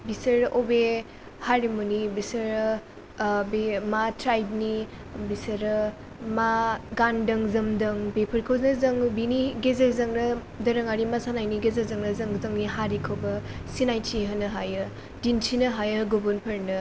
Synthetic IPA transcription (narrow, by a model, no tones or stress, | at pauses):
bisɐɾobe | haɾimunibisɐɾ | bematʰɾajb̚ni | bisɐɾɐ | maɡandɐŋzɐmdɐŋbepʰɐɾkʰoznɐzɐŋbiniɡezɐzɐŋnɐ | dɐɾɐŋaɾimɐsanajniɡezɐzɐŋnɐzɐŋzɐŋniɦaɾikʰowbɐsinajtiɦɐnɐɦajɯ | dintʰinɐɦajɐɡubunpʰɐɾnɯ